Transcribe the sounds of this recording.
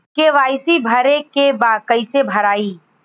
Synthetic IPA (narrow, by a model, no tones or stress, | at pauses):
keʋaːɪsibʱəɾekebaːkəɪsebʱəɾaːiː